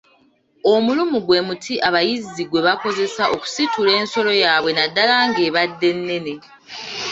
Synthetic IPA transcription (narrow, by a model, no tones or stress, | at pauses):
o̞mulumuɡwe̞mutʰiʔaβajiziɡwe̞βako̞ze̞saʔo̞ku̥situle̞ːnso̞lo̞jaːβwe̞nadːalaːŋɡeːβadːe̞nːe̞ne̞